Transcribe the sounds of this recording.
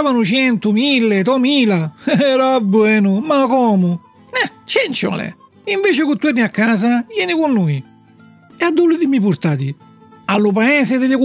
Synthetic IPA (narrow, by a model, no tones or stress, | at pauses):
vanʊt͡ʃɛnt̪umilːet̪ɔmiːlaɛɾabːwɛːnʊmakɔːmʊ | nɛt͡ʃɛnt͡ʃɔ̰lɛ̰ | iɱveːt͡ʃekut̪ːuɛniakːaːs̬avjɛːnikunːuːj | ɛad̪ːulːɪðɪmipuɾt̪aːt̪i | alːʊpaɛːsɪðɪlɪk